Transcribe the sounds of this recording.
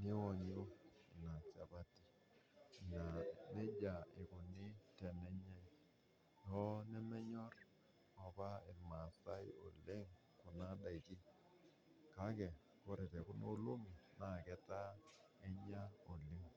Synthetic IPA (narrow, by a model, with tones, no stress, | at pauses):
nɪ˦wɔ˨ɲ˦o˦ɪ˨na˨sa˨pa˦ti̥˨ | na˨nɛ˦d͡ʒa˨ɪ˨kʊ˨nɪ˦tɛ˨nɛ˦ɲa˦i˦ | jɔ˦nɛ˦mɛ˦ɲɔ˦r | ɔ˨pa˦ɪ˨ma˨sa˦i˦o̰˨lɪ˦ŋ | kʊ˨na˦da˨i˨ki˦ | ka˦kɛ˨ | ko˦ɾɛ˨tɛ˨kʊ˦no˦lo˦mi˨na˨kɛ˦ta˦ɛ˦ɲa˦o˨lɪ˦ŋ